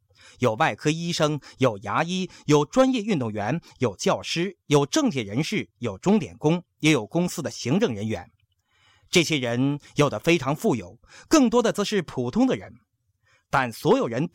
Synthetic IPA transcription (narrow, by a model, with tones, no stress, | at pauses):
jo˨˩ʊwa˥˩ɪkʰɤ˥i˥ʂɤ˥ŋjo˨˩ʊja˧˥i˥jo˨˩ʊʈ͡ʂwa˥njɛ˥˧y˥˧nt̪ʊ˥˩ŋɥɛ˧˥njo˨˩ʊt͡ɕjɑ˥˩ʊʂɻ̩˥jo˨˩ʊʈ͡ʂɤ˥˧ŋt͡ɕʰɛ˥˩ɻə˧˥nʂɻ̩˥˩jo˨˩ʊʈ͡ʂʊ˥ŋt̪jɛ̰˨˩nkʊ˥ŋjɛ˧˥jo˨˩ʊkʊ˥ŋsɹ̩˥d̪ə˨ɕi˧˥ŋʈ͡ʂɤ˥˩ŋɻə˧˥nɥɛ̰˧˥n | ʈ͡ʂɤ˥˩ɕjɛ˥ɻə˧˥njo˨˩ʊd̪ə˦fe˥ɪʈ͡ʂʰɑ˧˥ŋfu˥˩jo˨˩˦ʊkɤ˥˩ŋt̪wɔ˥d̪ə˨t͡sɤ˧˥ʂɻ̩˥˩pʰu˨˩t̪ʰʊ˥ŋd̪ə˨ɻə̰˧˥n | t̪a˥˩nswɔ˧˥jo˨˩ʊɻə˧˥n